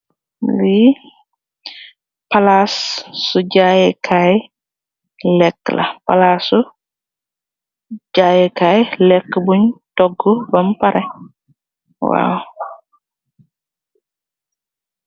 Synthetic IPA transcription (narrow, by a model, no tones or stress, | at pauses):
li | palasːuɟajɛkʰaj | lɛkːla̰pa̰lasu | ɟajɛkajlɛkːbuɲtɔɡːɔbɐmpaɾɛ | wa̰ːw